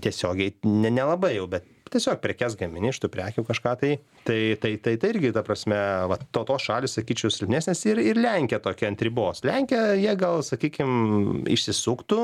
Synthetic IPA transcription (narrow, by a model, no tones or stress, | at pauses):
t̪ʲiɛsʲoːɡʲɛɪnʲɛnʲɛlˠɐbɐɪjɛʊbʲɛt̪̚ | t̪ʲiɛsʲoːk̚pʲɾʲɛkʲæsɡɐmʲɪnʲɪːʃt̪upʲɾʲæːkʲukɐʃkɑːt̪ɐɪ | t̪ɐɪt̪ɐɪt̪ɐɪt̪ɐɪɪɾʲɡʲɪt̪ɐpɾɐsʲmʲɛʋɐt̪oːt̪oːsʃɑːlʲɪssɐkʲiːt͡ʃʲɛʊsʲɪlʲpʲnʲeːsʲnʲɛsɪrɪrlʲɛŋʲkʲɛt̪oːkʲɛɐnʲt̪ʲɾʲɪboːslʲæŋʲkʲɛjiɛɡɐlˠsɐkʲiːkʲɪmɪ̰ʃʲsʲɪsʊkt̪ʊ